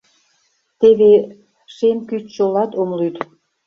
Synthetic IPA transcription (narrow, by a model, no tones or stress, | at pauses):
t̪eβe | ʃemkyt͡ɕt͡ɕolɑt̪omlyt̪